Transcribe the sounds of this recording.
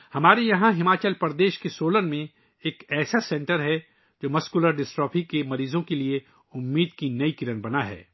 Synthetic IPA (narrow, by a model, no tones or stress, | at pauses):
hɐmaːɾejɐɦãɦɪmaːt͡ʃəlpɐɾd̪eːʃkesoːlənmẽ | eːkɛːsasɛ̃ɳʈəɾɦɛ | d͡ʒoːmɐskʊləɾɖɪsʈɔːpʰikemɐɾiːzõkelie | ʊmːiːd̪kinɐikɪɾənbɐnaɦɛ̰ː